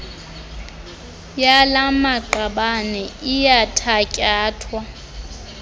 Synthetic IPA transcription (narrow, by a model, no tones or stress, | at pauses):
jalamaǃaɓanɛijatʰacʼaːtʰwa